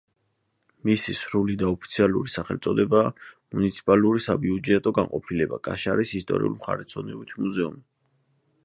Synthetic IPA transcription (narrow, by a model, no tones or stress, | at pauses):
misisɾulid̪aɔpʰi̥t̪sʰialṵɾisaχɛlt̪sʼɔd̪ɛbaːmunit̪sʰi̥pʼaluɾisabiud͡ʒɛt̪ʼɔɡa̰ŋqʼɔpʰilɛbakʼaʃaɾisist̪ʼɔ̰ɾḭṵlimχa̰ɾɛt̪sʰɔnɛbit̪ʰmuzɛumi